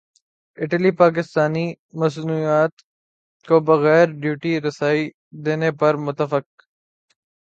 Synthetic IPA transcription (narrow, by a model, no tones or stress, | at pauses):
ɪʈlipaːk̬ɪst̪aːni | mɐsnuːijaːt̪ | kobɐɣɛːɾɖjuːʈiɾɐsaːi | d̪eːnepɐɾmʊt̪ːəfək̚